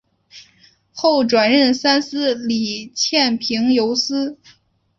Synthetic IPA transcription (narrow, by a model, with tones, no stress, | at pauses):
xo˥˩ʊʈ͡ʂwa˨˩nɻə˥˩nsa˥nsɹ̩˥li˨˩t͡ɕʰjɛ˥˩npʰi˧˥ŋjo˧˥ʊsɹ̩˥